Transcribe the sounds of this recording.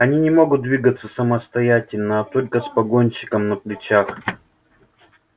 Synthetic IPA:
ɐnʲinʲɪmo̞ɡʊt̪̚d̪vʲiɡət̪sːəsəməst̪ɐjatʲɪlʲnəːt̪o̞lʲkəspɐɡo̞nʲɕɪ̥kəmnəplʲɪt͡ɕax

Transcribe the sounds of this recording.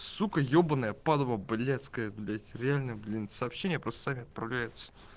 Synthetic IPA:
sukəjobənəjəpad̪əməblʲat̪skəjəd̪lʲɛɾʲɪalʲnəjəblʲinsɐːpɕːenʲɪjəpɾost̪ə̥samʲɪɐt̪̚pɾɐvlʲæjɪt̪sə̥

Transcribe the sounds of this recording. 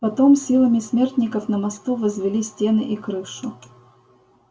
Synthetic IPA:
pɐt̪o̞msʲilˠəmʲɪsmʲe̞rt̪ʲnʲɪkəfnəmɐst̪uvəzvʲɪlʲisʲtʲe̞nɨʔikɾɨʂʊ

